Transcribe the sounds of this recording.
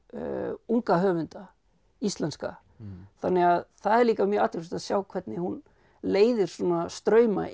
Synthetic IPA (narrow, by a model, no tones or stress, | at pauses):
uŋkaɦœːvʏnt̪a | ist̪lɛnska̰ | θanːɪɣaðθaðɛɾliːkamjœat̪ɪst̪aðsjaːwkʰvɛt̪nɪhun | leːjðɪɾ̥sɔːnast̪ɾœːɥma̰